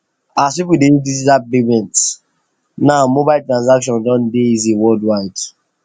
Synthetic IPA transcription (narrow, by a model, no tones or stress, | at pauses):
aspipudeidisdat̚bemɛ̃nt | naʊmobaɪltɹãns̬akʃɔ̃ndɔ̃ndeiziwɔldwaɪd̥